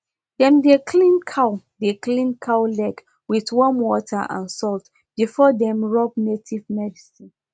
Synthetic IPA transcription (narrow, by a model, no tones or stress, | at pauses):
dɛ̃mdekʰlĩnkʰaʊ | deklĩnkʰawlɛɡ | wiθwɔ̃mwɔtʰə̰ʔã̰nsɔlt | b̥ifɔdɛ̃mɹɔbnetʰivmɛdisĩ